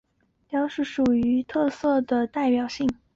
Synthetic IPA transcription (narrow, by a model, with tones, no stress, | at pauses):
pjɑ˥ʊʂɻ̩˥˩ʂu˨˩y˧˥t̪ʰɤ˥˧sɤ˥˩d̪ə˩t̪a˥˩ɪpjɑ˨˩ʊɕi˥˩ŋ